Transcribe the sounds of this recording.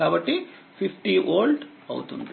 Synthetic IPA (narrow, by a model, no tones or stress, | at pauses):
aːʋɐʈːi | pipʈiʔoːlɖ | ɐ̰wt̪und̪